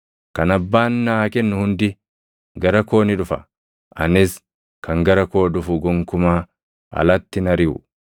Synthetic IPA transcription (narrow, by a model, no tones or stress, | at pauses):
kɐnɐbːaːnːaːkɛnːʊhʊnd̪ɪ | ɡɐɾɐko̞ːnɪᶑʊfɐ̰ | ʔɐ̰nɪs | kɐŋɡɐɾɐko̞ːᶑʊfʊɡɔŋkʊmaː | ɐ̰lɐt̪ːɪnɐɾɪʊ̰